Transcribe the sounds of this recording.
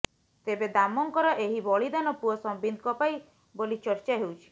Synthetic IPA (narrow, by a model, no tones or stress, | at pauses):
t̪ebed̪amɔŋkɔɾɔʔeɦibɔɭid̪anɔpuɔsɔmbind̪kɔpaj | bolit͡ʃɔɾt͡ʃaɦewt͡ʃʰi̥